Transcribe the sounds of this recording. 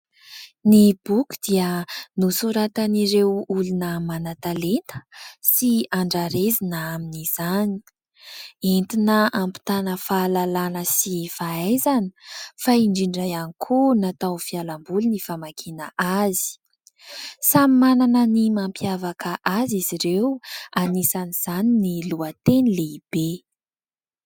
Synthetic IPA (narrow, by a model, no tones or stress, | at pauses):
nib̥ukʲu̥d̪̥iənusuɾat̪aniɾewulunəmanat̪alent̪ə̥siaɳɖ͡ʐaɾezinaaminiz̥ani̥ | ent̪inəampi̥t̪anəfalalanəsifaazani̥faiɳɖ͡ʐiɳɖ͡ʐajanikʰunat̪awfialambulnifamakʰinəʔazi̥ | samimananənimampʰjavakəʔaziziɾewanisaniz̥aniniluət̪enileib̥e